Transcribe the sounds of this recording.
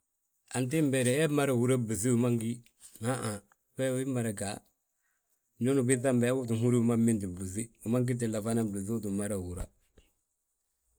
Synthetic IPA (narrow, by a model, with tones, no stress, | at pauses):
a˨nt̬i˦mbɛ˨ɾɛ˨ɛ˦ma˦ɾa˨wu˨ɾa˦bu˨zi˦u˨ma˦ŋɡi˦ | na˦ʔa˨ | bɛ˦wi˦ma˨ɾa˨ɡa˨ | ɲo˦nu˨bi˦θa˦mbɛ˨˦wu˦t̬u˨ɦu˦ɾi˦u˨ma˦mːi˦ndi˨bu˨zi˦u˨ma˦ŋɡ̬i˦t̬i˨la˨fa˦na˦bu˨zi˦u˦tu˨ma˦ɾa˨wu˨ɾa̰˦